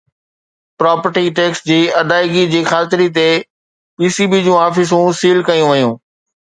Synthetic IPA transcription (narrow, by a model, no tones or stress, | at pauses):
pɾaːpəɾʈiʈeːksd͡ʑiːɐd̪aːɪɡid͡ʑiːxaːt̪ɪɾit̪e | piːsiːbid͡ʑũːaːfɪs̬ũsiːlkɐjũʋɐjũː